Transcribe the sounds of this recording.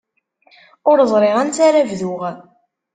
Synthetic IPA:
ʊɾəzˤɾˤeʁænt͡s̪aɾavðʊʁ

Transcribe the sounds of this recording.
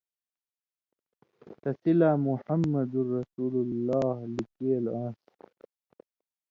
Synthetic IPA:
t̪ɐsilaːmuħɐmːɐd̪urɐsuːlulːaːhlikeːlãːs

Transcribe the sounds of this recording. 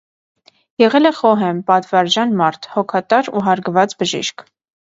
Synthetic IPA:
jɛʁɛlɛχɔɦɛmpɑt̪vɑɾd͡ʒɑnmɑɾt̪ʰhɔkʰɑt̪ɑɾṵɦɑɾɡvɑt͡sbəʒḭʃkʰ

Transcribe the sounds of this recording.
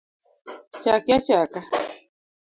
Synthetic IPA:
t͡ʃakiat͡ʃaka

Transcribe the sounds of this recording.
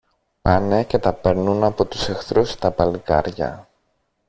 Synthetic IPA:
pɐnece̞t̪ɐpe̞ɾnunɐpo̞t̪u̥sexθɾust̪ɐpɐlikɐ̰ɾʝɐ̰

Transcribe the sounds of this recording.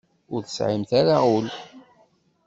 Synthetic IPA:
ʊɾθə̥sʕimθaɾaʊl

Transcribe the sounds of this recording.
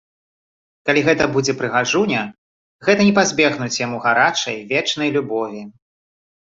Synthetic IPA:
kalʲiɣɛt̪ɐbud͡zʲɛpɾɨɣaʐunʲɐ | ɣɛt̪ɐnʲɛpazʲbʲɛɣnut͡sʲjamuɣaɾat͡ʂɐ̰jvʲɛt͡ʂnɐjlʲubɔvʲi

